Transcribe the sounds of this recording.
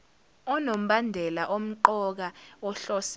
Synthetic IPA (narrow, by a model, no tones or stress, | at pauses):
ɔnom̩ɓandʱɛlaʔom̩ǃɔk̬aɔɬɔs